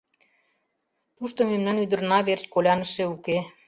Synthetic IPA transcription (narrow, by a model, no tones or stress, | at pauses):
t̪uʃt̪omemnɑnyd̪ə̆rnɑβers̚ʲkolʲɑnəʃeuke